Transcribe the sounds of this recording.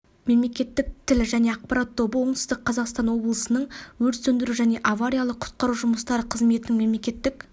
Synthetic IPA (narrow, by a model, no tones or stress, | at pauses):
me̞mle̞kʲe̞t̪ːɪk̚t̪ʰɪlɪʒæne̞ɑq̚pɑɾɑt̪ʰːo̞bəwo̞ɴt̪sɪst̪ɪk̚qʰːɑzɑqst̪ɑnwo̞blˠəsənəɴwɵɾt̪sɵnd̪ɪɾuʒæne̞ʔavaɾʲijalˠəqʰʊ̥t̪̚qɑɾuʒʊməst̪ɑɾəqʰəzme̞t̪ɪnɪŋme̞mle̞kʲe̞t̪ːɪk